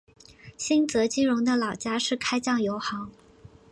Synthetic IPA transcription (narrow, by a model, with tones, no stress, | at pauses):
ɕi˥nt͡sɤ˧˥t͡ɕi˥ɻʊ˧˥ŋd̪ə˧lɑ˨˩ʊt͡ɕja˥ʂɻ̩˥˩kʰa˥ɪt͡ɕjɑ˥˩ŋjo˧˥ʊxɑ˧˥ŋ